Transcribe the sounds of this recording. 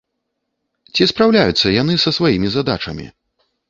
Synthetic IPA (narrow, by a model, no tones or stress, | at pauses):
t͡sʲispɾawlʲajut̪sːɐjan̪ɨsɐsvajimʲizad̪a̰t͡ʂɐ̰mʲḭ